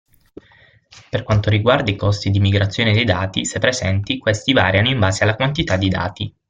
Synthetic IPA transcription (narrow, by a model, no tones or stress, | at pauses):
perkwant̪oɾiɡward̪aikɔst̪id̪imiɡɾat̪sːjoːned̪ejd̪aːt̪isepːɾezɛnt̪ikwest̪ivaːɾjanoimbaːzealːakwant̪it̪ad̪ːid̪a̰ːt̪i